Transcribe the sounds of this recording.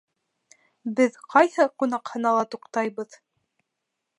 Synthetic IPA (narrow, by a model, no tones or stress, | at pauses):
bɘðqʰɑjhɤqunɑqhɤ̆nɑlˠɑt̪uqt̪ɑjβɤð